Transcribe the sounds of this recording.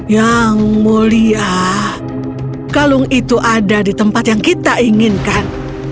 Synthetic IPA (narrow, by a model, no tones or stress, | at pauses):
jaŋmoliah | kalʊŋit̪uʔadadit̪əmpat̪jaŋkit̪aiŋɪnkan